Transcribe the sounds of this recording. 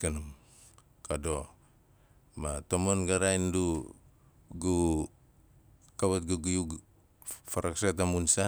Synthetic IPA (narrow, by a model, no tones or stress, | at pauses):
kanum | kado | matomonɡaɾajndu | ɡu | kaβat̚ɡuɡujuɡ | faɾaksatamunsa